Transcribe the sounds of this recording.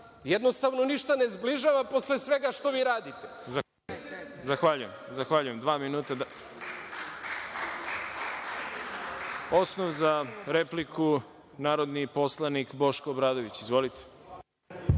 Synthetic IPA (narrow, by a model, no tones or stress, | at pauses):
jed̪nost̪aʋnoniʃt̪anezbliʒaʋapo̞slesʋe̞ɡaʃt̪o̞ʋiːɾaːd̪it̪eza | zaxʋaʎujemzaxʋaʎujemd̪ʋaːminuːt̪a | o̞snoʋzaɾe̞plikʰu | naːɾod̪nipo̞slˠanikbo̞ʃkoːbɾaːd̪oʋit͡ɕizʋo̞lit̪e̥